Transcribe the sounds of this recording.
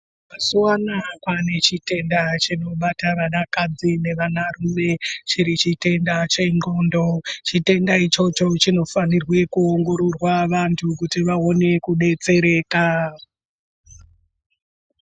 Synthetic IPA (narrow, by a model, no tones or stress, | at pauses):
masuwanakwane̞t͡ʃite̞ndat͡ʃino̞ɓataʋanakad͡zine̞ʋanarume̞t͡ʃiɾit͡ʃite̞ndat͡ʃe̞ŋɡo̞ːndo̞t͡ʃite̞ndait͡ʃo̞t͡ʃo̞t͡ʃino̞fanirwe̞kuoŋɡo̞ɾorwaʋantʰukutiʋao̞ne̞kuɗe̞t͡se̞ɾe̞ːka